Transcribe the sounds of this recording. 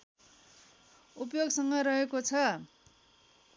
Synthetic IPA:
upjoɡsʌŋɡʌɾʌɦekot͡sʰʌ

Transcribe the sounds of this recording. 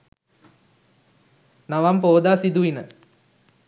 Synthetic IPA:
naʋampoːd̪aːsid̪uʋinə

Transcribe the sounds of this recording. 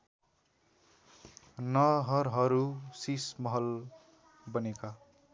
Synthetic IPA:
nʌɦʌɾɦʌɾusismʌɦʌl | bʌneka

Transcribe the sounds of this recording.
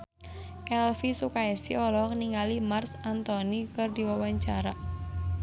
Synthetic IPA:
ʔɛlfisukaɛsiɔlɔkniŋalimarsant̪ɔnikɨrdiwawaɲt͡ʃaɾa

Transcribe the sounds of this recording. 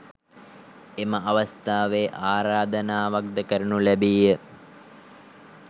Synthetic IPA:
eməʔɐʋɐst̪aːʋeʔaːɾaːd̪ənaːʋak̚d̪əkəɾunulæbiːjːə

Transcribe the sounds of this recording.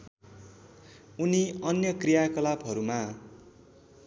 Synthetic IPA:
uniʌnjʌkrijakʌlabɦʌɾuma

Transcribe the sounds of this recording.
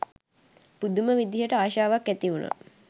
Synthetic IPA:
pud̪uməʋid̪iɦəʈəaːʃaːʋakːæt̪iunə̰

